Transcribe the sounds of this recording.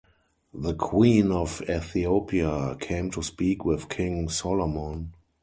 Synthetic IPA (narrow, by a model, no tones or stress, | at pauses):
ðəkʰwĩːnɔvɛθiopʰiakʰẽɪ̃mtʰuspiːkʰwɪθkʰɪ̃ŋsɔlɔmɔ̃n